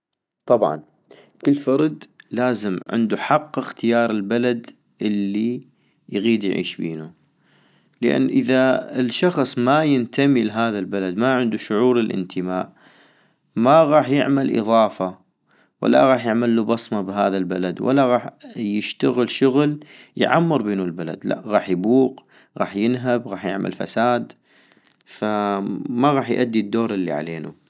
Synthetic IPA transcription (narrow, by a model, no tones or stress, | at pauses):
t̪ˤɑbʕɑ̰n | kɪlːfɑɾˤd̪laːzɪmʕɪ̰nd̪uħɑqːɪxt̪ɪjɑːɾˤɪlbalad̪ | ʔɪlːi | jɣiːd̪jʕḭːʃbḭːnu | ləʔa̰nːʔəðaɪlʃɑxsˤmajɪnt̪ʰamilɦaːðalbalad̪maʕɪnd̪uʃʊʕuːɾɪlʔɪ̰nt̪ʰəmaːʔ | maɣɑːħjɪ̰ʕmalʔɨ̰ðˤɑːfa | wa̰lːa̰ɣɑːħjɪʕmalːubɑsˤmabɦaːðalbalad̪wʔa̰lːaɣɑːħjɪʃt̪aɣəlʃʊɣl | jʕamːɨɾˤbeːnulbala̰d̪la̰ʔɣɑːħjbuːq | ɣɑ̰ːħjɪnɦabɣɑːħjɪ̰ʕmʔa̰lfa̰saːd̪ | famaɣɑːħjʔad̪ːid̪ːoːɾˤɪlːḭʕa̰leːnṵ